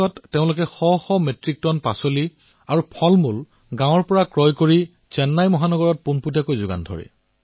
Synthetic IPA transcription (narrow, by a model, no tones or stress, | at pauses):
ɔtːeʊ̃lʊk̬ɛxɔxɔmetɹik̚tɔnpasoli | aɹupʰɔlmul | ɡãw̃ɔɹpɔɹakɹɔjkoɹi | t͡ʃɛnːajmɔɦanɔɡɔɹɔt̚punputjakojzʊɡa̰ndʱɔ̰ɹɛ̰